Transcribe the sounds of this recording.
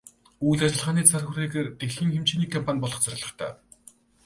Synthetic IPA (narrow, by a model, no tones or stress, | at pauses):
ujɮat͡ɕɪ̆ɮʁaːniːt͡sʰarxuɾeːɣeːrt̪exɮiːŋxemt͡ɕiːniːkʰɔmpʰanʲpɔɮɞ̆χt͡sʰarʲɪ̆ɮə̆χt̪ʰæ̰ː